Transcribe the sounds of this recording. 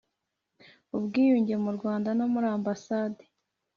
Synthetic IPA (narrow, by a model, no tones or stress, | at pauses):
ubɡiːjuːɲɟe̞muɾɡwaːndanomuɾaːmbasaːde